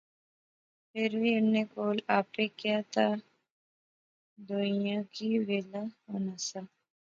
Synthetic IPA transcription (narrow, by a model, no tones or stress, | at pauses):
pɪɾʋiʊnːekoːlaːpekjaːt̪a | d̪ojãkiʋeːlaoːnasa